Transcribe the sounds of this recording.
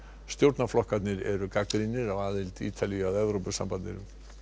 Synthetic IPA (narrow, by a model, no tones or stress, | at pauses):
st̪jowɾt̪naflɔhkat̪nɪɾɛɾʏkakɾinɪɾavaːðɪlt̪ḭːt̪ʰaliaðɛvɾowpʏsa̰mpanɪɾ